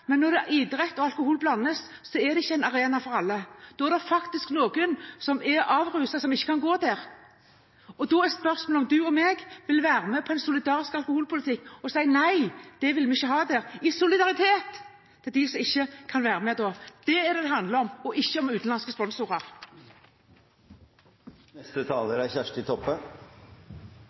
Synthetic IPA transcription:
mɛnːɔɾd̪ɛʔɪd̪ɾɛt̪ːɔɑlkʊhuːlblɑnːəsːɔɛd̪ɛɪçːəɛɪnɑɾeːnɑfɔɾɑlːəd̪̥ɔɛɾd̪ɛfɑkt̪ɪsknoːɡənsɔmɛɾɑːʋʁʉːsɑsɔmɪçːə̥kʰɑnɡoːd̪æɾ | ɔd̪ɔɛspœʁsmɔlɔmd̪ʉɔmɛɡʋɪlʋæːɾəmɛpʰɔɛɪnsʊlɪd̪ɑːɾɪskɑlkʊhuːlpʰʊlɪt̪ʰɪkːɔsæɪnæɪd̪̥ɛʋɪlmɛɪçːəɦɑːd̪æːʁɪsʊlɪd̪ɑʁɪt̪ʰeːt̪ː | ɛd̪ɪsɔmɪçːəkʰɑnʋæːɾəmɛd̪ɔːd̪̥ɛːd̪ɛd̪ɛɦɑnd̪ləɾɔmɔʔɪçːəɔmʉːt̪n̩lɑnskəspɔnsʊʁɑʁ | nɛst̪ət̪ʰɑːləɾæɪçæʂʈɪt̪ʰɔpːə

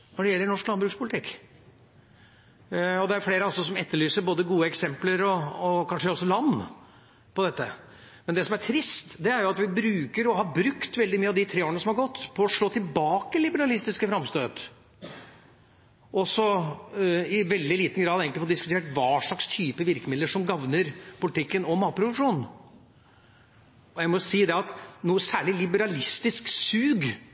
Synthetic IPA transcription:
nɔɖɛjɛlːəɳɔʂklɑnbɾʉːkspʰʊlt̪ʰɪkː | ɔd̪ɛæɾfleːɾəɑlsɔsɔmɛt̪ːəɭyːsəɾboːd̪əɡuːəɛksɛmpləɾɔːkʰɑnʂəɔsːɔlɑnː | pɔd̪ɛt̪ːə | mɛnd̪ɛsɔmæʈʰɾɪst̪d̪ɛæɾjʊɑt̪ʋɪbɾʉːkəɾɔɦɑbɾʉkt̪ʋɛld̪ɪmyːɑʋd̪ɪt̪ʰɾeːoːənəsɔmhɑɾɡɔt̪ːpʰɔːʂɭoːt̪ʰɪlbɑːkəlɪbəɾɑlɪst̪ɪskəfɾɑmst̪øːd̪ | ʔɔsɔ | ɪʋɛld̪ɪliːt̪n̩ɡɾɑːd̪eːɡəlɪfɔd̪ɪskʉt̪ʰeːʈʋɑːʂɑkst̪ʰyːpəʋɪɾkəmɪd̪əʂɔmɡɑʋnəɾpʊlɪt̪ʰɪkːənɔmɑːpɾʊd̪ʉʂuːn | ɔjæɪmɔsiːd̪ɛɑt̪nuːəsæːɭɪlɪbəɾɑlɪst̪ɪsksʉːɡ

